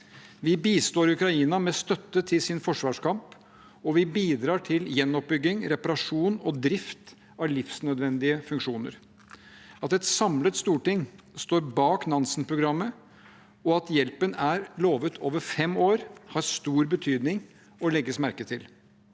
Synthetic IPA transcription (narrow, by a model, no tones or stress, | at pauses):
ʋɪbiːst̪oːɾʉkɾɑiːnɑmɛst̪œt̪ːət̪ʰɪlsɪnfɔʂʋɑːʂkʰɑmp | ɔʋɪbiːd̪ɾɑːʈʰɪljɛnːɔp̚bʏɡːɪŋɾɛpɑɾɑʂuːnɔd̪ɾɪft̪ | ɑlɪfsnœd̪ʋɛnd̪ɪəfʉŋkʂuːnə̰ɾ | ɑt̪ɛt̪sɑmlət̪st̪uːʈɪŋ | st̪oːɾbɑːknɑnsənpʰɾʊɡɾɑmːə | ɔɑt̪jɛlpənæɾloːʋət̪ʰoːʋəɾfɛmoːɾhɑɾst̪uːɾbət̪ʰyːd̪nɪŋ | ɔlɛɡːəsmæɾkət̪ʰɪl